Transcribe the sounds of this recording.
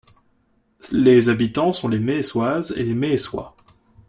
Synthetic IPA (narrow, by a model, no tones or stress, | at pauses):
lezabit̪ɑ̃sɔ̃lemeswazḛlemeːswa̰